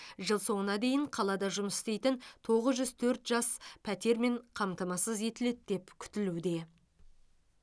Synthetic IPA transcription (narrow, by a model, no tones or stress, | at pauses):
ʒəlˠso̞ɴənɑd̪e̞jɪɴqʰɑlˠɑd̪ɑʒʊməsɪ̥st̪e̞jt̪ɪnt̪ʰo̞ʁəzʒʏz̥t̪ʰɵɾt̪ʒ̥ɑspʰæt̪e̞ɾme̞ɴqʰɑmt̪əmɑsəze̞t̪ɪle̞t̪̚d̪̥e̞pkʲʰʏ̥t̪ɪlud̪e̞